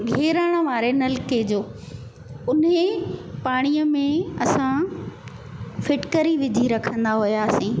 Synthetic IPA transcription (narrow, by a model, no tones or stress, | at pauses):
ɡʱeːɾaːɽ̃əʋaːɾenɐlɪked͡ʑoː | ʊnɦepaːɽ̃ijəmẽɐsã | fɪʈkəɾiʋɪd̪ʱiɾɐkʰə̃nd̪aɦʊjaːsĩː